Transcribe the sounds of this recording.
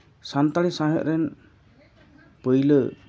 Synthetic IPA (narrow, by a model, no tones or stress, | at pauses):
sant̪aɽisãɦəʔɾɛn | pəjlə